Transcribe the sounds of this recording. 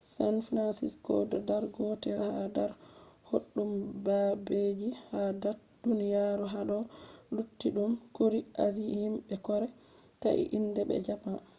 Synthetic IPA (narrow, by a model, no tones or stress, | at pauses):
sanfinansiskɔ̰dɔdaɾɡɔtɛɾhadaɾhoɗːumbabed͡ʒihadaɾ | d̥unijaɾuɦaɗɔlutːiɗumkoɾiʔazihimɓɛkɔɾɛ | ta̰ʔḭʔindɛbɛ̰d͡ʒapa